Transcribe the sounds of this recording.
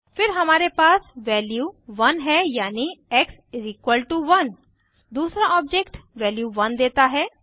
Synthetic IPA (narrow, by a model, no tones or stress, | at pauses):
fɪɾɦɐmaːɾepaːsʋɛːljuːʋɐnɦɛjaːniɛksziːkʋəlʈuʋɐn | d̪uːsɾaɔːbd͡ʒekʈʋɛːljuʋɐnd̪eːt̪aɦɛː